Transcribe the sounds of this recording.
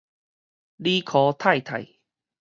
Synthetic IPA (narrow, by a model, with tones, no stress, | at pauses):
li˦kʰɔ˨˧˦t̪ʰa˥˧˨jt̪ʰa̰˨˩j